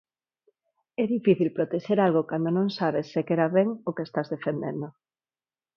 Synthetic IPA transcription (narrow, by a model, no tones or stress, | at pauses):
ɛðifiθilpɾot̪eʃeɾalɣ̞okand̪onõŋsaβ̞esːekeɾaβeŋokest̪azðefend̪end̪o